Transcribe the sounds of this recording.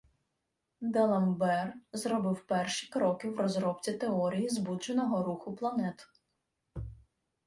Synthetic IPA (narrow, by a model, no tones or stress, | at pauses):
d̪ɛlˠɐmbɛrzɾɔbɪwpɛrʃi̥kɾɔkɪwrɔzɾɔpt͡sʲit̪eɔɾʲijizbut͡ʃenɔɦɔɾuxʊplˠɐnɛt̪ʊ̥